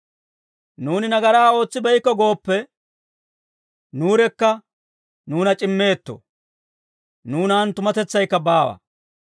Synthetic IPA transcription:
nuːnɪnɐɡɐɾaːo̞ːt͡sːɪbɛjkːɔɡo̞ːpːɛ | nuːɾɛkːɐ | nuːnɐt͡ʃʼɪmːe̞ːt̪ːo̰ | nuːnaːnt̪ʊmɐt̪ɛt͡sːɐjkːɐbaːwɐ̰

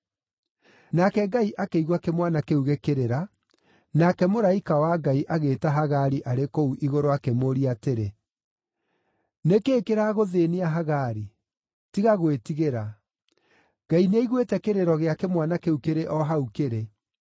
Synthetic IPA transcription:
nakɛɡaiʔakeiɣwakemwanakeuɣekeɾeɾa | nakɛmoɾaikawaɡaiʔaɣeːtaɦaɣaɾiʔaɾekouʔiɣoɾoakemoɾiateɾe | nekeːkeɾaɣoðeːneaɦaɣaɾi | tiɣaɣwetiɣeɾa | ɡ̥aineiɣwetɛkeɾeɾɔɣeakemwanakeukeɾeʔɔɦaukeɾe

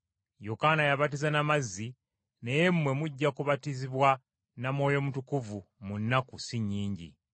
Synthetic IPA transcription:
jokanajaβatizanamazːi | neje̞mmwe̞muɟːakuβatiziβwa | namwo̞ːjo̞mutukuvumunːakusiɲːiːɲɟḭ

